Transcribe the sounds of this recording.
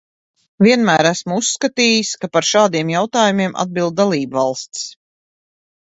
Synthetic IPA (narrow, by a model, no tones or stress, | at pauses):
vʲiɛnmæːɾæsmuusːkat̪iːjiskapaɾʃaːd̪iɛmjawt̪aːjumʲiɛmʔa̰d̪̚bilˠd̪̚alˠiːbvɑlˠst̪ʲs